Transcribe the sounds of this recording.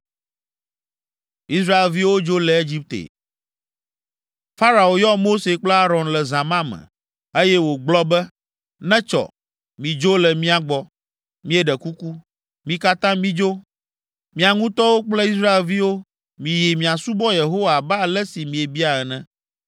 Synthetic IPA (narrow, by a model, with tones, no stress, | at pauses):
i˦sɾa˦e˨lvi˦wo˦d͡ʒo˦lɛ˨e˦d͡ʑi˦p̚t̪ḛ˨ | fa˦ɾa˨o˨jɔ˦mo˦se˨k͡plɛ˦a˦ɾɔ̃˨nlɛ˨zã˨mã˦mɛ̰̃˨ | e˦jɛ˦wo˨ɡ͡blɔ˦bɛ˦ | nɛ̃˦t͡ʃɔ̰˨ | mĩ˨d͡ʒo˦lɛ˨mĩ˦a˨ɡ͡bɔ˦ | mĩ˦e˨ɖɛ˨ku˦ku˦ | mĩ˨ka˦t̪ã˦mĩ˦d͡ʒo˦ | mĩ˨a˨ŋũ˦t̪ɔ˦wo˦k͡plɛ˦i˦sɾa˦e˨lvi˦wo˦ | mĩ˨ji˨mĩ˨a˨su˦bɔ˦je˨ɦo˦wa˨ba˦lɛ˦si˨mĩ˨e˨bi˦a˨ɛ˨nɛ̃˦